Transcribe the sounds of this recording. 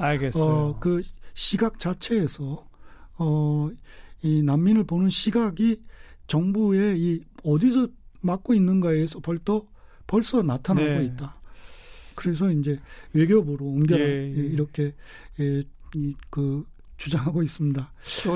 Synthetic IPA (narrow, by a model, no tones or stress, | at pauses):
aɭɡeʌkɯɕʰiɡak̚t͡ɕ͈at͡ɕʰe̞ːsʰʌ | ʌ | inamːinɯɭponɯnɕʰiɡaɡit͡ɕʌŋbue̞iʌdis̬ʰʌmak͈̚oinːɯnɡaesʰʌpʌɭt͈ʰʌ | pʌɭs͈ʌnatʰanɦaɡoit̚t͈a | kɯɾe̞s̬ʰʌind͡ʑe̞we̞ɡjobɯɾoɯmɡjʌɾajeiɾʌkʰe̞ | kɯ | t͡ɕud͡ʑaŋɦaɡois͈ɯmɲida